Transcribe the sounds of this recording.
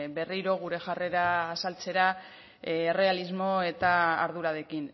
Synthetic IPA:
be̞riɾo̞ɣ̞uɾe̞ʝare̞ɾaːsalt͡se̞ɾaː | re̞alizmo̞e̞t̪a̰ːɾðuɾaðe̞kin

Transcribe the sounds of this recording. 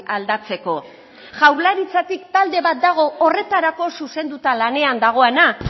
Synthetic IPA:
ald̪at͡se̞ko̞ | ʝawɾlaɾit͡sat̪ikt̪ald̪e̞βat̪̚d̪aɣ̞o̞ore̞t̪aɾako̞suse̞nd̪ut̪alane̞and̪aɣ̞o̞ana

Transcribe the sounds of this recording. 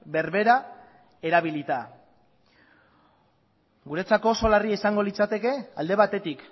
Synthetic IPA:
be̞ɾβe̞ɾa | e̞ɾaβilit̪a | ɡuɾet͡sako̞ːso̞lariaisaŋɡo̞lit͡sat̪e̞ke̞ald̪e̞β̞at̪e̞t̪ik

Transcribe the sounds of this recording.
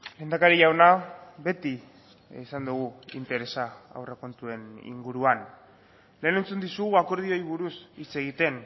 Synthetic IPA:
le̞ːnd̪akaɾiʝawnaβe̞t̪i | sand̪uɣ̞uḭnt̪e̞ɾe̞saa̰wreko̞nt̪ue̞nḭŋɡuɾuan | le̞ːne̞nt͡sund̪isuɣ̞uako̞ɾð̞io̞iβ̞uɾusit͡se̞ɣ̞it̪e̞n

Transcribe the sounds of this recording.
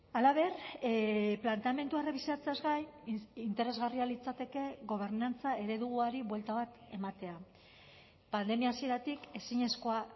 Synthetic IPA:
alaβ̞e̞r | plant̪eame̞nt̪uereβisiat͡seazɣajint̪e̞ɾe̞zɣarialit͡sat̪e̞ke̞ɣo̞β̞e̞ɾnant͡sae̞ɾe̞ðuɣuaɾiβwe̞lt̪aβat̪e̞mat̪e̞a | pand̪e̞miaːsie̞ɾat̪ike̞siɲe̞sko̞a

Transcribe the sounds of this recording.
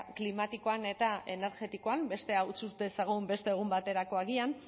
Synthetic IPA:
klimat̪iko̞ane̞t̪aʔe̞ne̞ɾɣe̞t̪iko̞ambe̞st̪e̞awt͡sut̪esaɣumbe̞st̪e̞ːɣ̞umbat̪e̞ɾako̞aɣian

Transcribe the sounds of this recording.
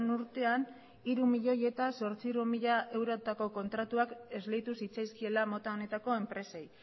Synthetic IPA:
nuɾt̪e̞an | iɾumiʎo̞je̞t̪aso̞ɾt͡siɾumiʎaʔe̞wɾo̞t̪ako̞ko̞nt̪ɾat̪uake̞zlejt̪usit͡sajskie̞lamo̞t̪aone̞t̪ako̞e̞mpɾe̞se̞j

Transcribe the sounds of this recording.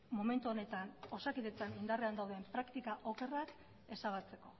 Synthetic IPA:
mo̞me̞nt̪uo̞ne̞t̪ano̞sakiðet͡sanind̪areand̪awðempɾakt̪ikaʔo̞ke̞rak | e̞saβat͡se̞ko̞

